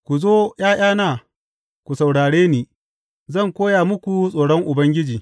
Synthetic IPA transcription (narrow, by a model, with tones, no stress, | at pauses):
kʷu˨zoː˦j̰aː˦j̰aː˦naː˨ | kʷu˨sa˨wɽaː˨ɽeː˦niː˨ | zɐ˦˨ŋkʷoː˦jaː˨mʊ˦kʷu˨sʼoː˨ɽɔ˦ŋʔʊ˨bɐ˦ŋɡʲɪ˦d͡ʒiː˨